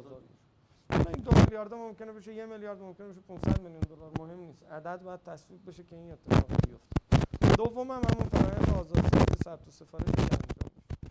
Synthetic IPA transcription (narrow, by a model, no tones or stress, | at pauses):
zd̪eʃ | alɒind̪omeljɒːɾd̪emo̞mce̞nebeʃejemeljɒːɾd̪mo̞mkʰʲe̞neeʃ̬epʰunsæ̰d̪meljund̪o̞lɒːɾmohe̞mniːst̪æd̪æd̪̚bɒːjæd̪̚t̪ʰæsviːb̚beʃecʰe̞iːne̞t̪ʰːe̞fɒ̰ːʁbijo̞ftt̪e̥d̪ovːo̞mhæmhæmunfæɾɒːjæ̰nd̪eɒːzɒːd̪sɒ̰ziesæb̚t̪ʰose̞fɒːɾeʃicæ̰nd͡ʒɒ̰ːmbeʃe